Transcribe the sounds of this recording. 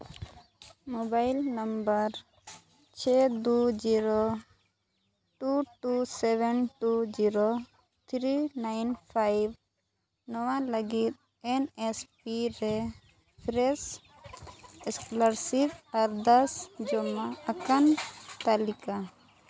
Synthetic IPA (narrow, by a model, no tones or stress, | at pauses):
mɔbajlnəmbəɾ | t͡ʃʰɛd̪ud͡ʒiɾo | ʈuʈusɛbɛnʈud͡ʒiɾo | t̪ʰɾinajnpʰajb | nɔwaləɡit̪̚ | ɛnɛspiɾɛ | pʰɾɛs | ɛskləɾsibaɾd̪asd͡ʒɔmaəkant̪alika